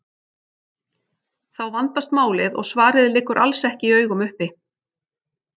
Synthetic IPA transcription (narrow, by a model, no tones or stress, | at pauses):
θawvant̪ast̪maːwlɪðɔ̰ɣsvaːɾɪðɪlɪkːʏɾʔa̰lsɛhcɪiœːɥɣʏmʏhpɪ